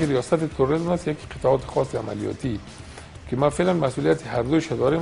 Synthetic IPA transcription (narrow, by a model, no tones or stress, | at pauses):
iɾijɒsat̪ɪt̪ʰʊɾʊɾizmasjaki̥qʰɪ̥t̪aɔt̪ɪ̥xɔsɪa̰ma̰lijɒ̰t̪ʰi | kɪmafelanmasulijat̪ʰɪɦaɾd̪uʃad̪ɔɾem